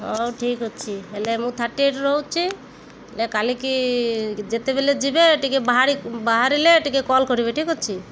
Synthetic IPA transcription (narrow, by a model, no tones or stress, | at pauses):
ɦoʈʰikɦɔt͡ʃʰielemũt̪ʰaʈːeʈɾɔɦwt͡ʃʰi | lekaliki | d͡ʒet̪ebeled͡ʒibeːʈikebaɦaɾibaɦaɾileːʈikekɔlkɔɾiβeʈʰikɦɔt͡ʃʰi